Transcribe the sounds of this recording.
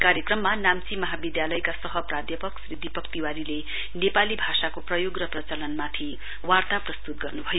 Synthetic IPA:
kaɾjekrʌmːanamt͡simʌɦabid̪jalʌjkasʌɦʌprad̪ʱjʌpʌksɾid̪ʱːipʌkt̪iwaɾile | nepalibʱasakoprʌjoɡrʌprʌt͡sʌlʌnmat̪ʰi | wart̪aprʌst̪ut̪̚ɡʌrnubʱʌjo

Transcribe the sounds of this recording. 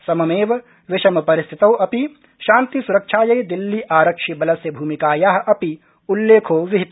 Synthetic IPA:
sɐmɐmeːʋɐ | ʋɪʃɐmɐpɐɾɪst̪ʰit̪ɐwɐpi | ʃaːnt̪isuɾɐkʃʰaːjɐjd̪ilːiʔaːɾɐkʂibɐlɐsjɐbʱuːmikaːjaːɦɐ̆ʔɐpi | ulːeːkʰoːʋɪɦit̪

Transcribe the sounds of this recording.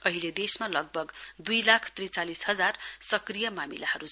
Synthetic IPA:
ʌɦiled̪esmalʌɡ̚bʱʌɡd̪ujlakʰt̪rit͡salisɦʌd͡zarsʌkrijʌmamilahʌɾu

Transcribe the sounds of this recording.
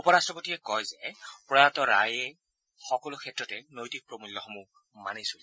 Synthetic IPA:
upɔɹastɹɔpotiɛkɔjzɛpɹɔjatɔɹa̰jɛ | xɔkɔlʊkʰɛtɹɔtɛnojtik̚pɹomulːɔxɔmu | manejsol

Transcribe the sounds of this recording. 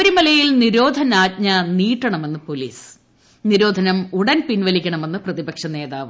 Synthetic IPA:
ɐɾumɐlɐjilniɾo̞ːd̪ʱɐnaːt̚ɲɐniːʈːɐɳɐme̞nːɨpo̞liːs | niɾo̞ːd̪ʱɐnɐmuɽɐnpinʋɐlikʲːɐɳɐme̞nːɨprɐðibɐkʂɐne̞ːðaːʋɨ

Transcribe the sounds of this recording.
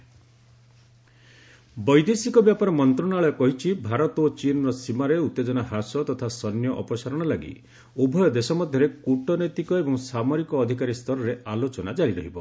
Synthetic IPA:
bɔjd̪esikɔbjapaɾɔmɔnt̪ɾɔnaɭɔɔkɔɦit͡ʃʰibʱaɾɔt̪ot͡ʃinɔɾɔsimaɾeut̪ːed͡ʒɔnaɦasɔt̪ɔt̪ʰasɔnjɔʔɔpɔsaɾɔɽ̃ɔlaɡḭ | ubʱɔjɔd̪esɔmɔd̪ʱjɔɾekuʈɔnet̪ikɔebɔŋsamɔɾikɔːd̪ʱikaɾist̪ʰɔɾɔɾealot͡ʃɔnad͡ʒaɾiɾɔɦibɔ

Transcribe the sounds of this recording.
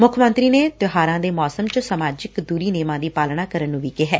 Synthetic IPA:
mʊkʰmənt̪ɾiːneːt̪jʊɦaːɾãːd̪eːmɔːsəmt͡ʃəsəmaːd͡ʒɪkd̪uːɾiːneːmãːd̪iːpaːlɳaːkəɾənːũːʋiːkɪɦɛ̰ː

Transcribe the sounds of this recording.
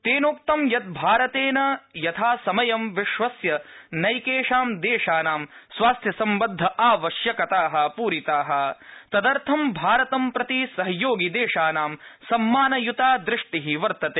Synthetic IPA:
t̪eːnoːk̚t̪ɐmjɐt̪̚bʱaːɾɐt̪eːnɐjɐt̪ʰaːsɐmɐjɐmʋiʃʋɐsjɐnɐjkeːʂaːmd̪eːʂaːnaːmsʋaːst̪ʰjɐsɐmbɐd̪ʱːɐʔaːʋɐʃjɐkɐt̪aːɦɐ̆puːɾit̪aːɦɐ̆t̪ɐd̪ɐɾt̪ʰɐmbʱaːɾɐt̪ɐmpɾɐt̪isɐɦɐjoːɡid̪eːʂaːnaːmsɐmːaːnɐjut̪aːd̪ɾɪʂʈiɦiʋɐɾt̪ɐt̪eː

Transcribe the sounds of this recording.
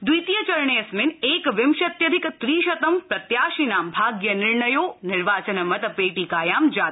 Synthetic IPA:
d̪ujt̪ijɐt͡ʃɐɾɳeːɐsmɪneːkʋɪmʃɐt̪jɐd̪ʱɪkt̪ɾiːʃɐt̪ɐmpɾɐt̪jaːʃinaːmbʱaːɡjɐnɪɾɳɐjoːnɪɾʋaːt͡ʃɐnɐmɐt̪ɐpeːʈikaːjaːmd͡ʒaː

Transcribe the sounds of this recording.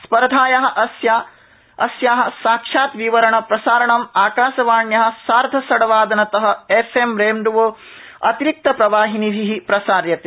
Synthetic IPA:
spɐɾɐd̪ʱaːjɐɦɐ̆ʔɐsja | ɐsjaːɦɐ̆saːkʂaːt̪ʋiʋɐɾɐɳɐpɾɐsaːɾɐɳɐmaːkaːʃɐʋaːɳjɐɦɐ̆saːɾd̪ʱɐsɐɽɐʋaːd̪ɐnɐt̪ɐɦɐ̆efemɾeːmɖuʋoː | ɐt̪iɾik̚t̪ɐpɾɐʋaːɦiniʋʱiɦipɾɐsaːɾjɐt̪e

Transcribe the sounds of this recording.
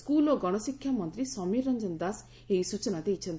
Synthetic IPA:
skuloɡɔɽ̃ɔsikʰjamɔnt̪ɾisɔmiɾːɔnd͡ʒɔnd̪as | eisut͡ʃɔnad̪ejt͡ʃʰɔnt̪

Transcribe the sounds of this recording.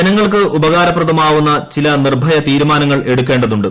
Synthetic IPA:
ɐnɐŋːɐɭkɨʔubɐɣaːɾɐprɐðɐmaːʋunːɐt͡ɕilɐnirbʱɐjɐt̪iːɾumaːnɐŋːɐɭe̞ɽukʲːeːɳɖɐðuɳɖɨ

